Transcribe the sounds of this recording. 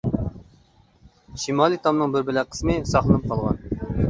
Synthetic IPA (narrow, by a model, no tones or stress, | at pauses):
ʃimɑːlˠit̪ʰɑmnɨŋbɪɾbɪlæqʰə̥smɨsɑχlˠɨnɨp̚qʰɑlˠʁɑ̰n